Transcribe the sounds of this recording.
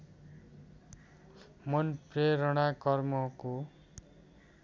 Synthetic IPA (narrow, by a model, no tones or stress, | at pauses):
mʌnpreɾʌɽ̃akʌrmʌko